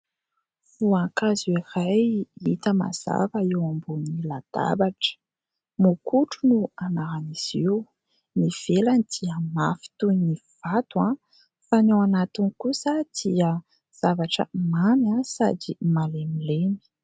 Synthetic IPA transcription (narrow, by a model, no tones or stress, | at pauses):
v̥uaŋkaziirajit̪əma̰z̥a̰vəewambunilad̪̥a̰baʈ͡ʂə̥ | mukuʈ͡ʂunuanaɾaniz̥iw | niv̥elanid̪̥iəmafi̥t̪univ̥at̪ua | fanewanat̪inikusəd̪̥iə | z̥avaʈ͡ʂə̰mamasa̰d̪imalemilemi̥